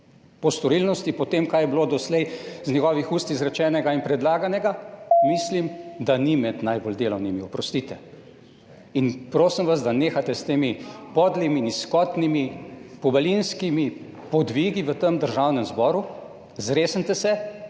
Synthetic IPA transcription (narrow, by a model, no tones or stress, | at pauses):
pɔst̪ɔɾilnɔst̪ipɔt̪eːmkajɛbloːd̪ɔslɛjznɲɛɡɔːʋixuːst̪izɾɛt͡ʃɛːnɛɡainpɾɛd̪laːɡanɛɡamislimd̪animɛd̪najbold̪eːlɔwnimiɔpɾɔst̪iːt̪ɛ | inpɾoːsimʋazd̪aneːxat̪ɛst̪eːmipɔd̪liminiskɔt̪nimipɔbɐlinskimi | pɔd̪ʋiɡiʋət̪əmd̪əɾʒawnɛmzbɔːɾu | zɾeːsənt̪ɛsɛ